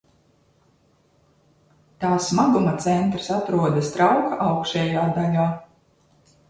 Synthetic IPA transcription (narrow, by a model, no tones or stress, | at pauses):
t̪aːsmaɡumat̪sɛnt̪ɾsat̪ɾuɔd̪ɐst̪ɾawkaʔawkʃɛːjaːd̪aʎʲaː